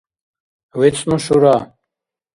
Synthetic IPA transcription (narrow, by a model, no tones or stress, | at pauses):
wit͡snũɕuɾa